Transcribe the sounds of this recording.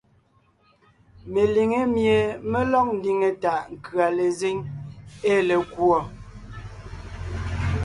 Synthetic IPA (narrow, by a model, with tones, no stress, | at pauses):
me˨li˨ŋe˦mje˨me˦lɔ˦k̚n̩˦di˨ŋe˨ta˨ʔŋ̩˨kɰa˨le˨ze˦ŋe˦le˨kwɔ˦˨